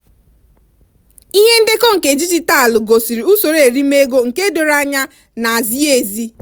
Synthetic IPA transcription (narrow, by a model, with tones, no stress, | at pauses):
i˦ɦe˦n̩˦de˦kɔ˦ŋ̩˨ke˨d͡ʒi˦d͡ʒi˦ta˦a˨lʊ˨ɡo˨si˨ɾi˨u˦so˨ɾe˨e˨ɾi˦me˦ɡo˦ŋ̩˨ke˦do˨ɾa˦ɲa˦ | na˨a˨zi˦e˨zi˦